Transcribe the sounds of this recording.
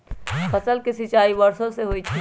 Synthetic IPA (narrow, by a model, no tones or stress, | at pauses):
pɐsəlkɪsɪt͡ʃaːibɐɾsõseɦoːit͡ʃʰi